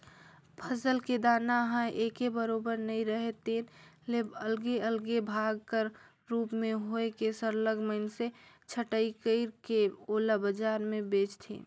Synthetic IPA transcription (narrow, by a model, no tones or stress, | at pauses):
pʰəsəlked̪aːnaɦə̃ʔeːkebəɾoːbəɾnəĩɾəɦet̪eːnleːbəlɡeəlɡebʱaɡ̚kəɾ | ɾuːpmẽɦoekesəɾləɡməɪnse | t͡ʃʰəʈəikəɪɾkeoːlabəd͡ʒaːɾmẽbeːt͡ʃt̪ʰḭ̃